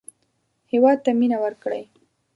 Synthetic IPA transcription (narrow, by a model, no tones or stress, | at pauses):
hewɑd̪̚t̪aminawəɾkɽə̰j